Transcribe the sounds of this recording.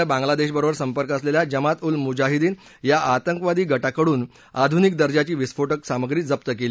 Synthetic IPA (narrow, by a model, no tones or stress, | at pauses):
abãŋɡlad̪eɕbəɾobəɾsəmpəɾkəsleljad͡ʑəmat̪ulmud͡ʑaɦid̪iːn | jaʔat̪əŋkʋad̪iːɡəʈakəɽuːn | ad̪ʱunikd̪əɾd͡ʑat͡ɕiːʋisfoʈəksaməɡɾiːd͡zəp̚t̪əkeli